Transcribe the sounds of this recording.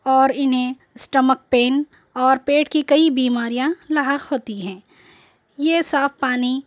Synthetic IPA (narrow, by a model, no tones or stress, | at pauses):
ɔːɾɪnɦẽ | sʈəmək̚peːn | ɔːɾpeːʈkikɐibiːmaːɾijãlɐɦəkɦoːt̪iɦɛ̃ː | jesaːfpaːni